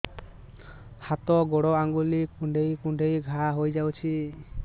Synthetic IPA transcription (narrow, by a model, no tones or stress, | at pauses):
hat̪ɔɡoɽɔaŋɡulikũɳɖʱejkuɳɖʱejɡʱaɦojd͡ʒawt͡ʃʰi